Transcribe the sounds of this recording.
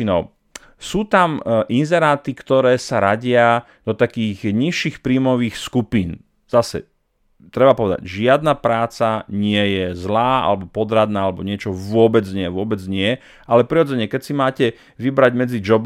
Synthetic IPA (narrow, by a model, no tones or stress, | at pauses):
nɔ | suːt̪amʔinzɛɾaːt̪ikt̪ɔɾɛːsaɾaɟɪa | d̪ɔt̪akiːɣɲiʃːixpɾiːmɔʋiːxskupiːn | z̥asɛ̰ | t̪ɾɛbapɔʋɛd̪a̰ɟʒɪad̪napɾaːt͡saɲɪɛjɛzlaːʔa̰lɛbɔpɔd̪ɾad̪naːalɛbɔɲɪɛt͡ʃɔʋʊɔbɛd͡zɲɪɛʋʊɔbɛd͡zɲɪɛjɛ | ʔalɛpɾiɾɔd͡zɛɲɛkɛcsimaːcɛ | ʋibɾaɟmɛd͡zid͡ʒɔb